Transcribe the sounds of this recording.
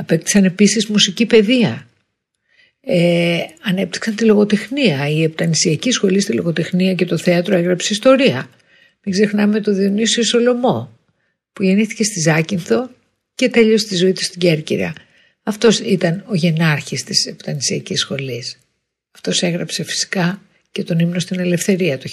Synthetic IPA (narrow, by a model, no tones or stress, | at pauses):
ɐpekt̪i̥sɐne̞pisizmusicipe̞ðiɐ | eɐne̞p̚t̪i̥ksɐnt̪ilo̞ɣo̞t̪exniɐiept̪ɐnisiɐcisxo̞list̪ilo̞ɣo̞t̪exniɐce̞t̪o̞θe̞ɐt̪ɾo̞eɣɾɐpseist̪o̞ɾiɐ | miɡze̞xnɐme̞t̪o̞ðionisioso̞lo̞mo̞ | puʝe̞niθi̥ce̞st̪izɐcinθo̞ | ce̞t̪e̞ʎost̪izo̞it̪u̥st̪iɟeɾcḭɾɐ̰ | ɐft̪o̞sit̪ɐno̞ʝe̞nɐɾçist̪isept̪ɐnisiɐcisxo̞lis | ɐft̪o̞se̞ɣɾɐpse̞fi̥si̥kɐ | ce̞t̪o̞nimno̞st̪ine̞le̞fθe̞ɾiɐt̪u